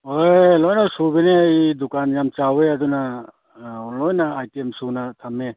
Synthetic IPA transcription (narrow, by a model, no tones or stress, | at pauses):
ojlojnasubeneajdukanjamt͡ʃaweɐd̪una | lojnaajtemsunatʰame